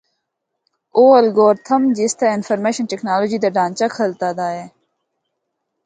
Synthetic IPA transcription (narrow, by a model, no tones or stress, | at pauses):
oːəlɡoːɾt̪ʰəmd͡ʒiːst̪aːɪnfəɾmeːʃənʈeknaːloːd͡ʒiːd̪aːɖãːnt͡ʃaːkʰəlt̪aːd̪aːɦeː